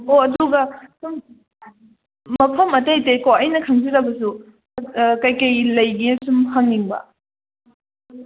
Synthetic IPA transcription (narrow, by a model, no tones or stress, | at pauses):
oɐduɡɐsum | mɐpʰɐmɐtɐjtekoɐjnɐkʰɐŋziɾɐbɐs̬u | kɐjkɐjlɐjɡiɐsumhɐŋniŋbɐ̰